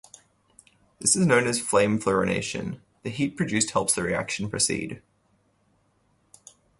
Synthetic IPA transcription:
ðɪsɨznə̃ʊ̃nəz̥flẽɪ̃ɱfləɹənḛɪʃə̰̃n | ðɨɦiˑt̚pʰɹ̥ɨd͡ʒʉˑst̚hɛlˠpsðəɹiæ̰kʃn̩pʰɹ̥əsḭːd̥

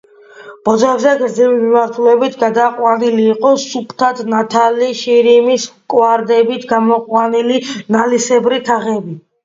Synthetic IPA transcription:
b̥ɔd̪zavzɛɡɾd̪zɛvimimaɾt̪ʰulɛbit̪ʰɡad̪aqʼwaniliːqʼɔsupʰt̪ʰat̪ʰnat̪ʰaliʃiɾimiskʼwaɾd̪ɛbit̪ʰɡamɔqʼwanilinalisɛbɾit̪ʰaʁɛbi

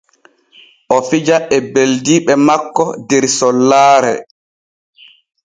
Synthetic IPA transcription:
ʔɔfid͡ʒaʔɛbeldiːɓɛmakːɔdɛɾsɔlːaːɾɛ̰

